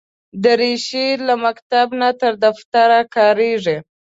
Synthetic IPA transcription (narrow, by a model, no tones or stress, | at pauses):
d̪əɾeʃelamakt̪abnat̪əɾd̪aft̪aɾakɑɾeʐi